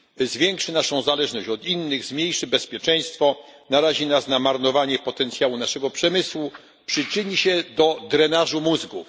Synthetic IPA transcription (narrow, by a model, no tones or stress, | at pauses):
zvʲjɛŋkʂɘnaʂɔ̃w̃zalɛʐnɔɕt͡ɕɔd̪inːɘɣzmʲɲejʂɘbɛspʲjɛt͡ʂɛj̃st̪fɔnaɾaʑinasnamaɾnɔvaɲɛpɔt̪ɛnt̪sʲjawunaʂɛɡɔpʂɛmɘswu | pʂɘt͡ʂɘɲiɕɛd̪ɔd̪ɾɛnaʐumuzɡuf